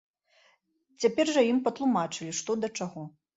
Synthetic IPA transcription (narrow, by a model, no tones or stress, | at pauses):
t͡sʲapʲɛrʐɐjimpɐt̪lˠumat͡ʂɨlʲiʂt̪ɔd̪ɐt͡ʂaɣɔ